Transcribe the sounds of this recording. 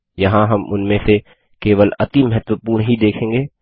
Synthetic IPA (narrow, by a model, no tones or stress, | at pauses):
jɐɦãɦɐmʊ̰nmẽse | keːʋəlɐ̰t̪imɐɦɛt̪wəpuːɾɳɦid̪eːkʰẽːŋɡeː